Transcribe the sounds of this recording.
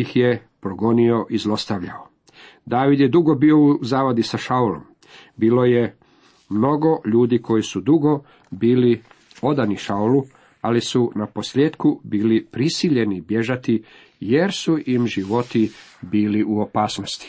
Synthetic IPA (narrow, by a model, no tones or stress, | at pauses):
ixje̞ | pɾoɡo̞nio̞ʔizlˠo̞st̪aʋʎao | d̪aːʋid̪je̞d̪uɡo̞biːo̞uzaːʋad̪isaʃaulo̞̰m | biːlo̞je | mno̞ɡo̞ʎuːd̪iːkʰo̞jisud̪uɡo̞ | biːli | o̞d̪aniʃaulu | alisunapo̞sʎeːd̪kubiːlipɾisiʎe̞nibje̞ʒat̪i | je̞ɾsuʔimʒiʋo̞t̪ibiːliʔuopaːsnost̪i̥